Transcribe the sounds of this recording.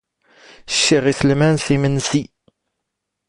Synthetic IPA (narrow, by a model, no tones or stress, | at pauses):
ʃːiʁiθəlmænθimənsi